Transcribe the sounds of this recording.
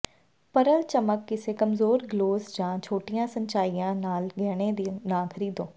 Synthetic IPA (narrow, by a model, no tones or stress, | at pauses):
pɐɾəlt͡ʃəməkːesekɐmzoːɾɡloːzd͡ʒãːt͡ʃʰoːʈijãsɐ̃ɲt͡ʃaːijãnaːlɡɛːɽ̃ẽd̪inãːkʰəɾiːd̪õː